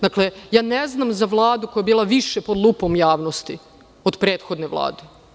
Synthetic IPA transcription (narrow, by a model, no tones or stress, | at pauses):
d̪aklejaːneznamzaʋlˠaːd̪ukojabiːlˠaʋiʃepod̪lˠupo̞mjaːʋnost̪i | od̪pɾeːt̪xo̞d̪neʋlˠa̰ːd̪e